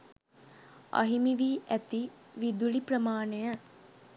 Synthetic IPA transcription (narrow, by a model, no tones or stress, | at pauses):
ɐ̰ɦimiʋiːʔæt̪i | ʋid̪ulipɾəmaːnejə